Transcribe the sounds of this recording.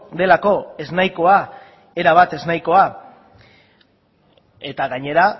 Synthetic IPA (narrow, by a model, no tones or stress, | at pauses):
d̪e̞lako̞e̞znajko̞a | e̞ɾaβ̞at̪e̞znajko̞a | e̞t̪aɣaɲe̞ɾa